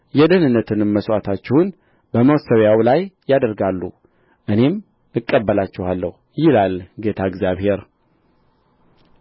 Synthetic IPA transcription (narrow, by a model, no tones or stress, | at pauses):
jɛd̪ənɨnːət̪ʰɨnməswʷat̪ʰat͡ʃːɪhun | bəməwsəβjawlajːad̪əɾɡalːu | ʔɨne̞m | ɨkʼːəbːəlat͡ʃːɪhalːəhu | jɪlalɡet̪ʰaɨɡzjaβhe̞ɾ